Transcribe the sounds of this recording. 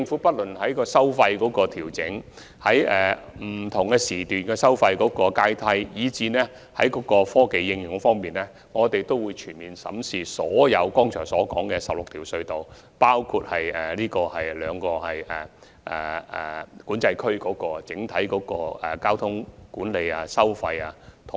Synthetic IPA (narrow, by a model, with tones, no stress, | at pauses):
t͡sɪ˧ŋfu˨˦˥pɐ˥t̚lɵ˨˩nɦɐ˨˥jkɔː˧sɐ˥wfɐ˧jkɔː˨˥kɔː˧t̪ʰiː˨˩wt͡sɪ˨˥ŋ | hɐ˨˥jɛ˨m̩˨˩t̪ʰʊ˨˩ŋkɛː˧siː˨˩t̪yː˨nkɛː˧sɐ˥wfɐ˧jkɔː˨˥kɔː˧kaː˥jt̪ʰɐ˥jjiː˨˧t͡siː˧nɛː˥ | hɐ˨˥jkɔː˨˥kɔː˧fɔː˥ke˨jːɪ˧ŋjʊ˨˧ŋfɔː˥ŋmiː˨nɛː˥ | ŋɔː˨˧t̪e˨jt̪o˥wuː˨˧jt͡ʃʰyː˨˩nmiː˨˩nsɐ̰˨˥msiː˨˩sɔː˨˥jɐ˨˧wkɔː˥ŋt͡ʃʰœː˨˩ŋsɔː˨˥kɔ̰ː˨˥ŋkɛː˧sɐ˨p̚lʊ˨k̚t̪ʰiː˨˩wsɵ˧ɥt̪o˨w | paː˥wkʰu˧t̚hɐ˨jɛː˨liː˥kɔː˧hɐ˨jlœː˨˧ŋkɔː˧hɐ˨jɛː˨˩ | ʔɛ̰˨˩ɛ̰˨kuː˨˥nt͡sɐ˧jkʰɵ˥ɥkɔː˨˥kɔː˧t͡sɪ˨˥ŋt̪ʰɐ˨˥jkɔː˨˥kɔː˧ɛ˨kaː˥wt̪ʰʊ˥ŋkuː˨˥nle˨˧ja˧sɐ˥wfɐ˧jaː˧t̪ʰʊ˨